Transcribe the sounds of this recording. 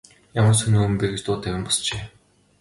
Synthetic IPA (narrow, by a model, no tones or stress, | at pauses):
jamə̆rsɵnuːɘ̆mpeɣʲɘ̆st̪ʊːt̪ːæwʲɪ̆mpɔ̥st͡ɕeː